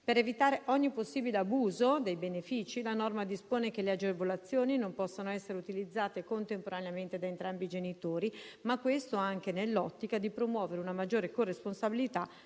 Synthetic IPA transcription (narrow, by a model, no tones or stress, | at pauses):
peɾevit̪aːɾeʔɔɲːiposːiːbileabuːzod̪ejbenefiːt͡ʃilanɔrmad̪ispoːnekelead͡ʒevolat̪sːjoːninompɔsːonoɛsːeɾeut̪ilid̪zːaːt̪ekont̪empoɾaneament̪ed̪aent̪ɾambid͡ʒenit̪oːɾimakːwest̪oaŋkenelːɔt̪ːikad̪ipɾomwɔːveɾeunamad͡ʒːoːɾekoresponsabilit̪a